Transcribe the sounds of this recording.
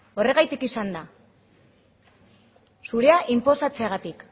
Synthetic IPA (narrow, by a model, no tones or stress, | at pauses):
o̞re̞ɣ̞ajt̪ikisand̪a | suɾe̞aʔimpo̞sat͡se̞aɣat̪ik